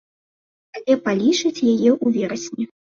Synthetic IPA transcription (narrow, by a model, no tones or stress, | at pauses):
alʲɛpalʲit͡ʂɨt͡sʲjajɛʔuvʲɛɾɐsʲnʲi